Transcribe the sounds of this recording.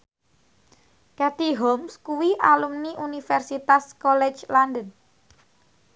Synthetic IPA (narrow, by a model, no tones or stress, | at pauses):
kat̪iɦɔmskuwiʔalumniʔunifɛrsit̪askɔlɛt͡ʃlandən